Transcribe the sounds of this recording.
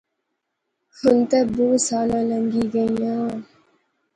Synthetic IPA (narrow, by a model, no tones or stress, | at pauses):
hʊnt̪eboːsaːlãːləŋɡiɡəĩãː